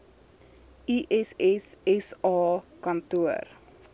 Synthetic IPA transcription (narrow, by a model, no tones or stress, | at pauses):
iʔɛsɛsɛsɑːkɐntuər